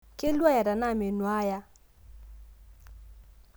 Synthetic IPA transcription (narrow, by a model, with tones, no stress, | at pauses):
kɪ˦lwa˦ja˨da˨na˦˨me˨nwa˦ja˦